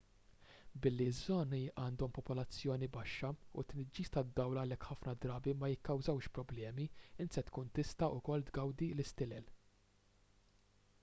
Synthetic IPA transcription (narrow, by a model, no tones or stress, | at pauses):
bɪlːizːɔːniʔɐːnd̪ɔmpɔpɔlɐt͡sːjɔːnibɐʃːɐut̪nɪd͡ʒːiːst̪ɐd̪ːɐwlɐlɛkħɐfnɐd̪ɾɐːbimɐjɪkːɐwzɐwʃpɾɔblɛːmiɪnt̪sɛt̪kuːnt̪ɪst̪ɐʔʊkɔld̪ɡɐwd̪ilɪst̪ɪlɛl